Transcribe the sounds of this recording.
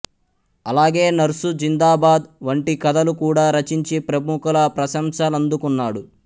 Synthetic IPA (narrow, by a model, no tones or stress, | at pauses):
ɐlaːɡe̞ːnɐɾusud͡ʒind̪aːbaːd̪ʋɐɳʈikɐd̪ɐlukuːɽaːɾɐt͡ʃiɲt͡ʃipɾɐbukɐlɐpɾɐʃɐmsaːlɐnd̪ukunːaːɽu